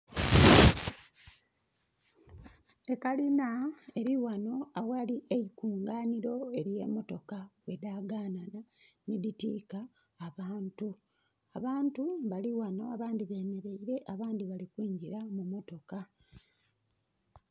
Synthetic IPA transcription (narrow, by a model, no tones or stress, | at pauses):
e̞kalinae̞ɾiwano̞awaliʔeikuːŋɡaːniɾo̞e̞ɾje̞̰ːmo̞to̞kawe̞daːɡaːnananiditḭkaː | βaːntu | aβaːntuβaliwano̞aβaːndiβe̞ːme̞ɾe̞iɾe̞ʔaβaːndiβalikwiːɲɟiɾamumo̞to̞ka